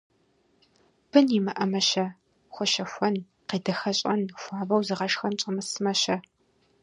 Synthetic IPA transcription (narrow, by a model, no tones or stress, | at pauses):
b̥ɨnimɐʔɐmɐʃɐ | xʷɔʃɐxʷɔn | qiːdɐxɐɕʼɐnxʷɑːbɐwzɨʁɐʂxɐnt͡ʃʼɐmɨsɨmɐɕɐ